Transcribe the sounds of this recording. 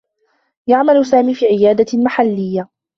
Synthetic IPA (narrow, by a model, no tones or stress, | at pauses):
jaʕmalʊsaːmiːfiːʕɪjaːd̪amaħalːɪjːa